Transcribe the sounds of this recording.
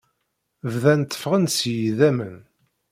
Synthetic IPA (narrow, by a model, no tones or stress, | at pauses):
vðænt̪ːə̥fʁənsjiðæmə̰n